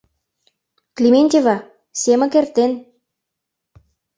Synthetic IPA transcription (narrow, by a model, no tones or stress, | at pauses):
klʲimenʲt̪ʲevɑ | semə̆kert̪en